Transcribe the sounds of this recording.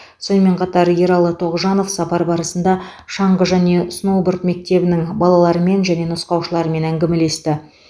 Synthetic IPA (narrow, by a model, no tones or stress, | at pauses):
so̞nəme̞ɴqʰɑt̪ɑɾje̞ɾɑlˠət̪ʰo̞ʁʒɑno̞fsɑpɑɾbɑɾəsənd̪ɑʃɑɴʁəʒæne̞snowbəɾt̪me̞k̚t̪e̞bɪnɪŋbɑlˠɑlˠɑɾəme̞nʒæne̞nəsqɑwʃəlˠɑɾəme̞næŋɡʲɪme̞le̞st̪ɪ